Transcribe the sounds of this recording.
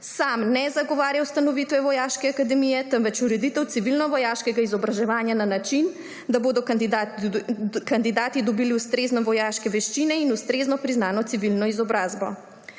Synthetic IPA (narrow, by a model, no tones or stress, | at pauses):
samnɛzaɡɔʋaːɾjawst̪anɔʋit̪ʋɛʋɔjaːʃkɛakad̪ɛmijɛt̪əmʋɛt͡ʃuɾɛd̪it̪ɛwt̪siʋilnɔʋɔjaːʃkɛɡaizɔbɾaʒɛʋaːnjananat͡ʃin | d̪aboːd̪ɔkd̪d̪a | kand̪id̪aːt̪id̪ɔbiliust̪ɾeːznɛʋɔjaːʃkɛʋɛʃt͡ʃinɛinust̪ɾeːznɔpɾiznaːnɔt̪siʋilnɔizɔbɾaːzbɔ̰